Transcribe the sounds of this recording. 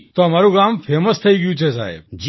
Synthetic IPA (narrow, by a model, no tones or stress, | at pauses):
t̪oɦəmaɾũkamfeməst̪ʰəiɡəjũt͡ʃʰesa̰ɦḛbd͡ʒ